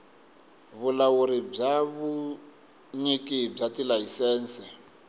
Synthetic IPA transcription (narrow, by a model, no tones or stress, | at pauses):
βulawuɾib͡ʐaβu | ɲikib͡ʐatilajisɛːnsi